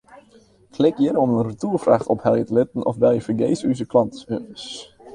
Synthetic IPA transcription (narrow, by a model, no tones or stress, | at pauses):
flɪkjɪɾəɔmənrətuːrfraːχtɔphɛlˠjətəlɪtən̩ɔ̰fʋɛlˠjəfərɡejsyzəklɑntøəs